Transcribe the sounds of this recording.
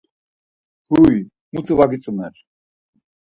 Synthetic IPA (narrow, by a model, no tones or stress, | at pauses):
puj | mut͡sʰʼəvaɡit͡sʼumɛɾ